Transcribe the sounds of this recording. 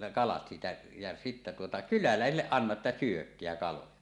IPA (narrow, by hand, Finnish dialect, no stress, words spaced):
kɑlɑt siːtæ jæ sitːe tuotɑ kylælæˑesilːeʔ ʔɑnːɑʔ ʔetːæ syøkːeæ kɑlojɑ